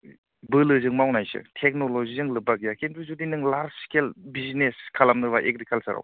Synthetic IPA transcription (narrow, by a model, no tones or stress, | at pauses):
bɯlɯzɯŋmawnajsɯ̰tʰek̚nolozizɯŋlɯbakijakʰentʰuzudinɯŋlaɾskelbizneskʰalamnɯbaʔek̚ɾikʰalsaɾa̰w